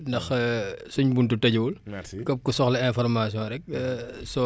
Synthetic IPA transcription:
ndɐxsuɲbuntutɐɟuwulkɐp̚kusɔxlɐɛ̃fɔɾmasijɔ̃ːɾɛk̚sɔ

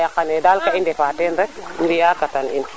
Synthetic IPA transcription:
jakanɛdalkaindɛfaːtɛnɾɛk̚ndijakatanḭn

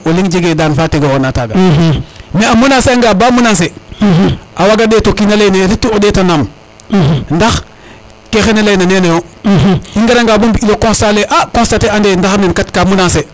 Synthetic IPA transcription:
oliŋd͡ʒeɡedanfateɡoonataɡa̰ | neamunaseaŋɡabaːmunans̬e | ʔawaɡadetokinalajneɾitːiodetanam | ndax | kexenelajnanenejo | iŋɡaɾaŋɡabumbiilokõnstaleʔakõnstateandendaxnenkatkamunase

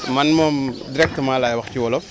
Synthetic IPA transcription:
mɐnmɔːmdiɾɛk̚tmaːlaːjwɐxciwɔlɔ

